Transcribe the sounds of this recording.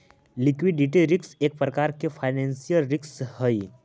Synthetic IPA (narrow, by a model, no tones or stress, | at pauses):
likʋiɖiʈiɾikseːk̚pɾəkaɾkefʰaɪnɛ̃nsijəlɾikshəi